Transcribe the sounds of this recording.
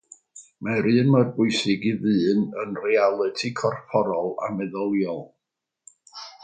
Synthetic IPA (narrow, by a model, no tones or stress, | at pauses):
maɾɨːnmarbʊjsɪɡiðɨːnənrɛalˠɨtʰikʰɔrpʰɔɾɔlˠa̰mɛðɔlˠjɔlˠ